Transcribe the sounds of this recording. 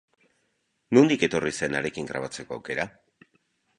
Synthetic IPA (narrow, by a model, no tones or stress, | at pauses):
nund̪ike̞t̪o̞rise̞naɾe̞kiŋɡɾa̰β̞at͡se̞ko̞a̰wke̞ɾa